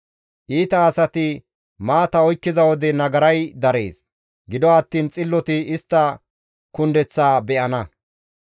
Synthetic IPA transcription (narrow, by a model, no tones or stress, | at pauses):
ʔiːt̪ɐːsɐt̪ɪ | maːt̪ɐɔjkːɪzɐwɔd̪ɛnɐɡɐɾɐjd̪ɐɾe̞̰ːs | ɡɪd̪ɔɐt̪ːiːnt͡sʼɪlːɔt̪ɪɪst̪ːɐ | kʊnd̪ɛt͡sːaːbɛʔɐnɐ